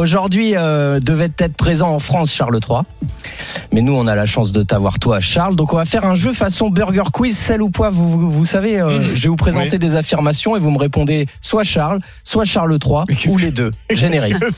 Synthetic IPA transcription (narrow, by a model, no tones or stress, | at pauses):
oʒuʁd̪ɥiød̪əvɛt̪ːɛt̪χəpχezɑ̃ɑ̃fχɑ̃sʃaʁlət̪χwa | mɛnuɔ̃nalaʃɑ̃s̬d̪ət̪avwa̰ʁt̪waʃaʁld̪ɔ̃kɔ̃vafɛʁɛ̃ʒøfasɔ̃bœʁɡʲœʁkwizsɛlupwavuvusaveøʒevupχezɑ̃t̪ed̪ezafiʁmasjɔ̃evuməʁepɔ̃d̪eswaʃaʁl | swaʃaʁlət̪χwauled̪øʒeneʁik